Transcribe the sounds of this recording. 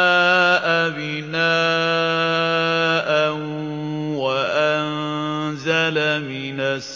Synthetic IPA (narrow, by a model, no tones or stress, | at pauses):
ʔabɪnaː | ʔan | waʔannzalamɪnas